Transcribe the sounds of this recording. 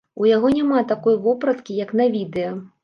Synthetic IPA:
ujaɣɔnʲamat̪akɔjvɔpɾɐt̪kʲijɐknɐvʲid̪ɛjɐ

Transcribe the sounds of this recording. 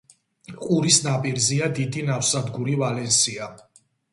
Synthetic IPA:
qʼuɾisnapʼiɾziad̪id̪inafsad̪ɡuɾivalɛnsia

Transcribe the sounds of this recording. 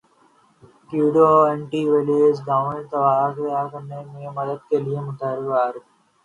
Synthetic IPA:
kjuːɖoɛ̃ɳʈiʋeleːd͡ʒɡaːmẽɳt̪ɐʋaːk̪ɐjakɐɾnemẽmɐd̪əd̪̚keliemʊt̪əɦɾɪbaːɾɛ

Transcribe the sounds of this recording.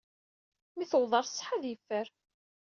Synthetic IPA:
miθəwðˤɑɾˤsːħaðjəfːəɾ

